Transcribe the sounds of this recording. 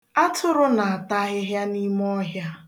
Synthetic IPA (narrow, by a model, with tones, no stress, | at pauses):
a˦tʰʊ˦ɾʊ˦na˨a˨ta˦ɣɪ˦ɦja˦ni˦m˦ɔ˦ɦja˦